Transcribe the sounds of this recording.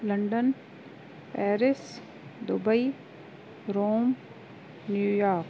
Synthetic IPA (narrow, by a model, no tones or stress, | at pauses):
lɐ̃ɳɖən | pɛːɾɪs | d̪ʊbəi | ɾoːm | njuːjaːɾk